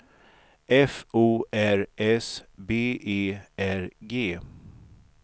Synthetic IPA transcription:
ɛfuːʔæɾɛsbeːʔeːʔæɾɡeː

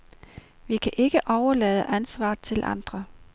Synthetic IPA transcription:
ʋikʰæʔe̝ɡ̥əʔɒʊɐlɛːð̞ˠəʔænsʋɑ̰̈ːt͡sʰe̝lʔɑ̰̈nd̥ʁɐ

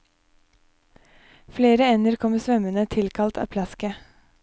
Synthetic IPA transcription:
fleːɾəɛnəɾkʰɔməsʋœmənət̪ʰɪlkʰɑlt̪ʰɑ̰ːpʰlɑskə

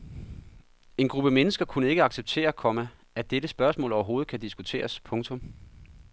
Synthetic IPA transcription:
e̝nɡ̥ʁub̥əmenəsɡ̥ɐkʰunəe̝ɡ̥əɑ̈ɡ̥seb̥̚t͡sʰe̝̰ːɐkʰɒ̽mə | æd̥eɾəsb̥ɶɐsmɔ̰lɒʊɐɦo̝ːð̞̩ˠkʰæd̥isɡ̥ut͡sʰe̝̰ːɐspʰɔ̽ŋt͡sʰɔ̽m

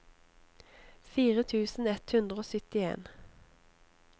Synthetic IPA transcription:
fiːʁət̪ʰʉːsn̩ɛt̪hʉnd̪ʁəoːsʏt̪ɪḛːn

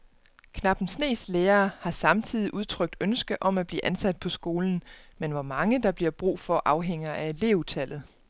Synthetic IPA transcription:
kʰnɑ̈b̥n̩sne̝̰ːsleːɐːhɑ̈sɑ̈mt͡sʰið̞̰ˠiʔuð̞ˠt͡sʰʁœɡ̥̚d̥ønsɡ̥əʔɒ̽mæb̥lḭːʔænsæd̥̚pʰɒ̽sɡ̥o̝ːln̩menʋɒmɑ̈ŋəd̥ɑ̈b̥liɐb̥ʁṵːfɒ̽ʔɑ̈ʊɦeŋ̰ɐʔæele̝ːʊut͡sʰæl̰ð̩ˠ

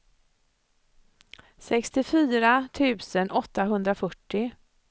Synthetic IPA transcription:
sɛkst̪ɪfyːɾat̪ʰʉ̟ːsənʔɔt̪ːaɦɵnd̪ɾafœʈːɪ

